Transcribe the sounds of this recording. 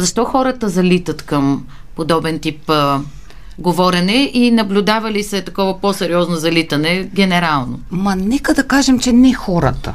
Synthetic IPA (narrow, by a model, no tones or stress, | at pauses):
zɐʃt̪ɔxɔɾət̪əzɐlit̪ət̪kɐm | pod̪ɔbɛnt̪ip | ɡovɔɾɛnɛʔinɐblʲʊd̪avɐlisɛt̪ɐkɔvɐposɛɾiɔznozɐlit̪ɐnɛɡʲɛnɛɾalˠno̰mɐnɛkəd̪ɐkaʒɛmt͡ʃɛnɛxɔɾə̰t̪ə̰